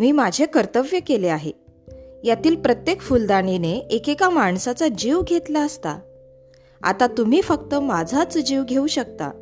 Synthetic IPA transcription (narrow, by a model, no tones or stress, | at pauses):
miːmad͡ʑʱekəɾt̪əʋjəkeleaɦe | jat̪iːlpɾət̪jekfuld̪aɳ̃ineekekamaɳsat͡sad͡ʑiʋɡʱet̪laəst̪a̰ | a̰t̪at̪um̤iːfəkt̪əmad͡zʱat͡sd͡ʑiʋɡʱeuɕək̚t̪a̰